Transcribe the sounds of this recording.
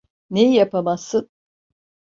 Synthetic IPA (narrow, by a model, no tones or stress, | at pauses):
nejjapamasɯn